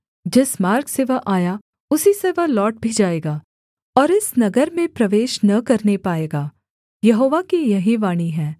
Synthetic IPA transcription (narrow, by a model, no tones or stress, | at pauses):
d͡ʒɪsmaːɾkseʋɐɦʔaːja | ʊsiseʋɐɦlɔːʈ̚bʱid͡ʒaːeːɡaː | ɔːɾɪsnɐɡəɾmẽpɾɐʋeːʃnɐkɐɾnepaːeːɡaː | jɐɦoːʋakijɐɦiʋaːɽ̃iɦɛ̃ː